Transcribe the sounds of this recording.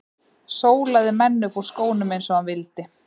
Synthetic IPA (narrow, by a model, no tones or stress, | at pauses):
soːwlaðɪmɛnːʏfɔɾ̥skoːwnʏmejnsɔhanvɪlt̪ɪ